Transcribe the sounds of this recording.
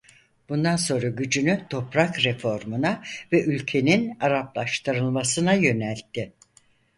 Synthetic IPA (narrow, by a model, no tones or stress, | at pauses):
b̥und̪anso̞nɾaɟyd͡ʒynyt̪ʰo̞pɾakɾefo̞ɾmunavɛʔylʲcʰe̞ninaɾaplˠaʃt̪ʰɯɾɯlˠmasɯnajø̞nælʲt̪ʰːɪ